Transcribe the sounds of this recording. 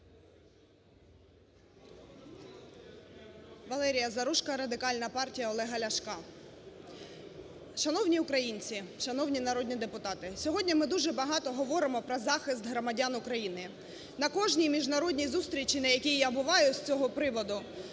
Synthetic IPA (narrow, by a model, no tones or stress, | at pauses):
ʋɐlˠɛɾʲijɐzɐɾuʃkɐɾɐd̪ɪkɑlʲnɐpɑrtʲijɐɔlˠɛɦɐlʲɐʃkɑ | ʃɐnɔwnʲiʊkɾɐjinʲt͡sʲiʃɐnɔwnʲinɐɾɔd̪ʲnʲid̪epʊt̪ɑt̪ɪsʲɔɦɔdʲnʲimɪd̪uʒɛbɐɦɑt̪ɔɦɔʋɔɾɪmɔpɾɔzɑxɪst̪ɦɾɔmɐdʲanʊkɾɐjinɪ | nɐkɔʒnʲijmʲiʒnɐɾɔdʲnʲizust̪ɾʲit͡ʃʲinɐjɐkʲijjabʊʋɑjʊsʲt͡sʲɔɦɔpɾɪʋɔd̪ʊ